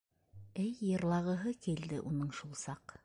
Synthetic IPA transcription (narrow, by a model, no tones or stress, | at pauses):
ɘjːɤ̆ɾlˠɑʁɤ̆ɦɤkild̪ɘʔunɤɴʃulˠsɑq